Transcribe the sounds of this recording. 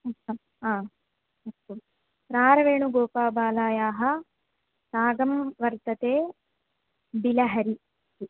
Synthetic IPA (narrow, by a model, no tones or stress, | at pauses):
ɐɐ | aː | ɐu | pɾaːɾɐʋeːɳuɡoːpaːbaːlaːjaːɦɐ̆ | saːɡɐmʋɐɾt̪ɐt̪eː | bilɐɦɐɾi